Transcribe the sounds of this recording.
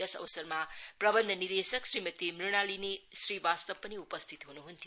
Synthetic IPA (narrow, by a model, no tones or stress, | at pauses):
ɐsɐ̰bɐsɐɾmapɾɐbɐnd̪ʱɐniɾd̪esɐksɾimɐt̪imɾiɾñalinisɾibast̪ɐb̚ːɐniupɐst̪ʰit̪ɦunuɦunt̪ʰi